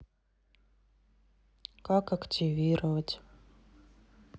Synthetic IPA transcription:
kakɐktʲivʲiɾəvətʲ

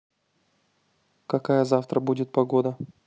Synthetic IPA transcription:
kɐkajəzaft̪ɾəbudʲɪt̪̚pɐɡod̪ə

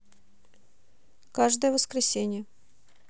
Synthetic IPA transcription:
kaʐd̪əjəvəskɾʲɪsʲenʲɪjə

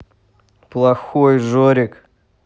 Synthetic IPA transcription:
plˠɐxojʐoɾʲɪk

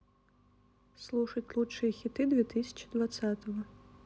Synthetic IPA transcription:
slˠuʂɐt͡sʲlˠut͡ʂːɨjɐxʲit̪ɨd̪vʲɛt̪ɨsʲɐ̥t͡ʃi̥d̪vat̪sat̪ɐvɐ

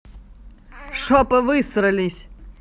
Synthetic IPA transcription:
ʂɔpɨvɨst̪ɾɨlʲisʲ

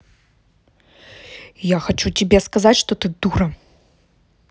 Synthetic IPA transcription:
ijaxat͡ʂut͡sʲibʲɛskazatʲʂt̪ɔt̪ɨd̪uɾɐ

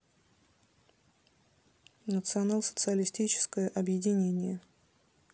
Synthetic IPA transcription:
nət̪sɨɐnalˠsə̥t̪sɨəlʲɪsʲtʲit͡ɕɪ̥skəjəʔɐbjɪdʲɪnʲenʲɪjə

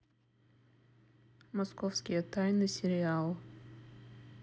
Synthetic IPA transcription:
mɐskofskʲɪjət̪ajnɨsʲɪɾʲɪalˠ

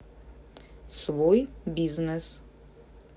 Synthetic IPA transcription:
svojbʲiznɛs

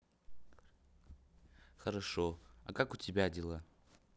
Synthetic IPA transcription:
xəɾaʂoa̰kakʊtʲɪbʲadʲɪlˠa

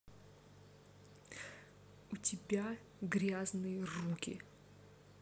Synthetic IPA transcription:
utʲɪbʲa | ɡɾʲaznɨjərukʲɪ̰

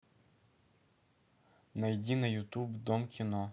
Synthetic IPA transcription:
nɐjdʲinɐjut̪ubd̪ɔmkʲinɔ

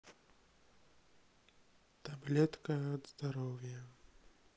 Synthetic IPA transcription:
t̪ablʲɛt̪kɐːd̪zd̪aɾɔwjɐ

